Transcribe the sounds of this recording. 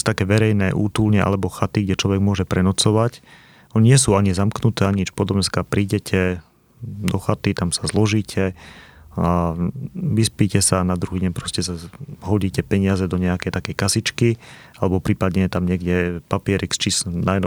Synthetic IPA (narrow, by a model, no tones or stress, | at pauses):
t̪akɛːʋɛɾɛjnɛːʔuːt̪ulɲɛʔa̰lɛbɔxat̪iɡɟɛt͡ʃlɔʋɛɡmʊɔʒɛpɾɛnɔt͡sɔʋac | ɔɲiɲɪɛsuːaɲizamknut̪ɛːaɲt͡ʃpɔd̪ɔmɲɛskapɾiːɟɛcʰɛ | d̪ɔxat̪it̪amsḁzlɔʒiːcʰɛ | a | ʋispicɛsanad̪ɾuɦiːɟɛɲpɾɔscɛsaɦɔɟiːcɛpɛɲɪazɛd̪ɔɲɛakɛjt̪akɛjkasit͡ʃki | alɛbɔpɾiːpad̪ɲɛjɛt̪amɲɪɛɡɟɛpapɪɛɾikst͡ʃisnajnɔ